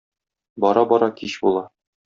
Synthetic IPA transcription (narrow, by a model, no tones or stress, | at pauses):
bɒɾɑbɒɾɑkiɕbulˠɑ